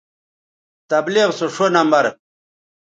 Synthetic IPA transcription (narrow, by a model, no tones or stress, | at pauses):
t̪ɐbliʁsoʂonɐmbɐɾ